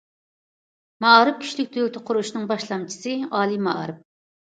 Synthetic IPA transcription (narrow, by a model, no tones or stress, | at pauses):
mɑɾɨp̚kʲʰy̥ʃlɪk̚ʲd̪ʰølt̪ʰɪqʰʊɾuʃnɨŋbɑʃlˠɑmt͡ʃʰi̥sɨɑːlˠimɑɾɨp̚